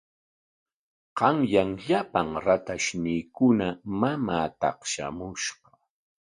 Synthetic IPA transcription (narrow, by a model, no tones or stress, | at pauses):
qɑŋjaŋʎapaŋɾat̪aʃniːkʊnamamaːt̪ɑ̰χʃa̰mʊʃɢɑ̥